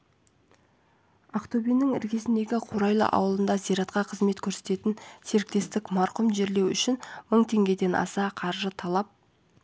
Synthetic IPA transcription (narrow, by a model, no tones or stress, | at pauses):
aqt̪obijnːɪŋɪ̰ɾkʲe̞sɪnd̪e̞ɡʲɪqʰoɾɑjlˠə̰ʔɑ̰wəlˠənd̪ɑzijɾɑt̪qɑqʰəzme̞t̪kʲʰɵɾset̪e̞t̪ɪnse̞ɾɪk̚t̪e̞st̪ɪkmɑɾqʊmʒe̞ɾle̞wʏʃɪnməɴt̪ʰe̞ŋɡʲe̞d̪e̞nɑ̰sɑqʰɑɾʒət̪ʰɑlˠɑp̚